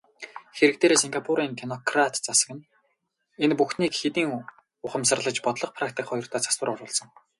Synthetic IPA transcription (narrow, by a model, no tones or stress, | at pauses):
xeɾɘ̆k̚t̪eːɾeːsiŋɡapʰuɾiːŋkʰenɔkʰrat̪t͡sasə̆kɘ̆n | enpuxniːkxet̪iːŋ | ʊχə̆msə̆rɮə̆t͡ɕpɔt̪ɮɞ̆q̚pʰrakt̪ʰikχɔjɞ̆r̥t̪ʰaːt͡sḁswə̆rʊɾʊːɮsɞ̆ŋ